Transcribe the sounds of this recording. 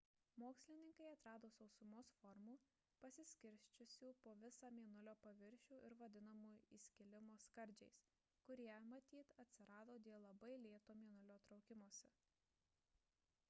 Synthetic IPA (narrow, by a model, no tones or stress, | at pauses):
moːksʲlʲɪnʲɪŋkɐɪɐt̪ɾɑːd̪oːsɒʊsʊmoːsfɔɾmuː | pɐsʲɪsʲkʲɪɾʲsʲt͡ʃʲʊsʲuːpoːʋʲɪsɑːmʲiɛnʊlʲoːpɐʋʲɪɾʲʃʲuːʔɪɾʋɐd̪ʲɪnɐmuːjiːsʲkʲɪlʲɪmoːskɐɾʲd͡ʒʲɛɪs | kʊɾʲiɛmɐt̪ʲiːt̪ɐt̪ʲsʲɪɾɑːd̪oːd̪ʲeɛlˠɐbɐɪlʲeːt̪oːmʲiɛnʊlʲoːt̪ɾɒʊkʲɪmoːsʲɛ